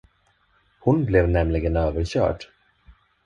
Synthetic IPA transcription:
hʊnblɛvnɛmlɪɡənøːvəɾɕœ̰ːɖ

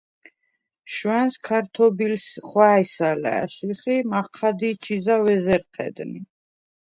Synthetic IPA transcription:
ʃwɛnskʰaɾt̪ʰɔbilsχwaɛsalɛ̰ːʃiχimaχqʰad̪it͡ʃʰizavɛzɛɾqʰɛ̰d̪ni

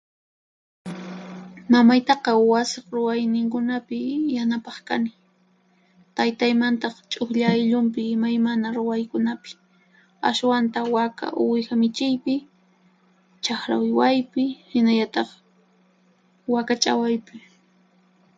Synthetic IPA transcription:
mamajt̪ɑqɑwasɪχɾʊwajnɪŋkʊnapɪjanapɑχkanɪ | t̪ajt̪ajmant̪ɑχt͡ʃʼʊxʎajʎʊmpɪːmajmanaɾʊwajkʊnapɪ̥ | a̰swant̪awaka̰ʔʊwɪxamɪt͡ʃɪjpɪ | t͡ʃaxɾa̰wɪwajpɪhɪnaʎat̪ɑχ | wakat͡ʃʼa̰wajpɪ

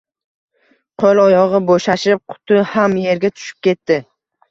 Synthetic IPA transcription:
qʰolˠɒjɒʁɨboʃaʃɪp̚qʰʊ̥t̪ʰʊhamje̞ɾɡʲat̪ʰʊ̥ʃɪ̥p̚kʲe̞t̪ːɪ

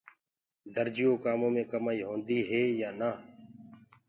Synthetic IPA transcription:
d̪əɾd͡ʒɪjõːkaːmõːmẽːkəmaːiːɦõːnd̪iːɦeːjaːnaː

